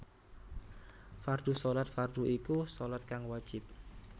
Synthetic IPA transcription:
fard̪̥usolat̪̚fard̪̥uʔikusolat̪̚kaŋwad̥ʒ̥ɪp̚

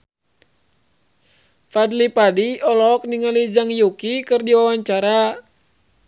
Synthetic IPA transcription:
fad̪lipadiɔlɔk̚niŋalid͡ʒaŋjukikɨrdiwawaɲt͡ʃaɾa

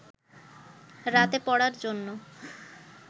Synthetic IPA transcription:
ɾat̪epɔɽaɾd͡ʑonːo

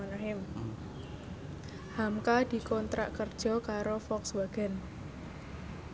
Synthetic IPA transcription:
anaɦɪm | hamkad̪̥i̤kɔnt̪ɾa̰ʔkərd̥ʒ̥ɔ̤kaɾofɔkswaɡ̥ɛ̤n

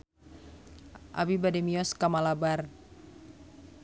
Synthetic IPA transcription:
ʔa̰bibadɛmiɔskamalabar

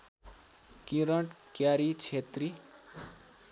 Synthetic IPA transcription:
kiɾəɳʈkjaɾit͡ʃʰet̪ɾi

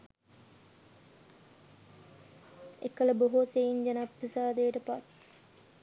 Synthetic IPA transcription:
ekːələboɦosejiɲd͡ʒɐnapɾisaːd̪ejəʈəpat̪̚

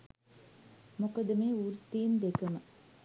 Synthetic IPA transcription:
mokɐd̪əmeːuːɾt̪ːiːnd̪ekəmə

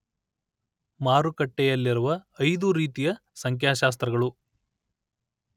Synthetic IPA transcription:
maːɾukɐʈːɛjɐlːiɾuʋɐːjd̪uɾiːt̪ijɐsɐŋkʰjaːʃaːs̬t̪ɾɐɡɐɭu

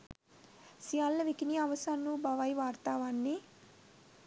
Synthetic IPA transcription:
sijalːɐʋikinijɐʋɐsaːnːubʱɐʋajʋaːɾt̪aːʋaːnːi

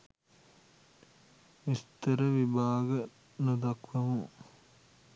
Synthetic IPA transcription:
ist̪əɾəʋibaːɡə | nud̪ɐkʋɐmu

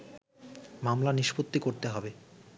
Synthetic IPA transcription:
mamlaniʃpot̪ːikoɾt̪eɦɔbe

